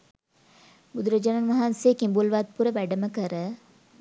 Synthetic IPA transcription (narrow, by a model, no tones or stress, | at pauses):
bud̪uɾəd͡ʒananʋaɦansejːkimbulʋat̪̚puɾəʋæɖəməkəɾə